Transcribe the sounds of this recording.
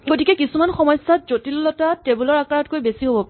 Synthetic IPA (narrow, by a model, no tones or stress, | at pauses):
ɡotikɛkisumanxɔmɔjsːatzotilɔlɔtatebulɔɹakaɹɔtkojbesiɦobɔpa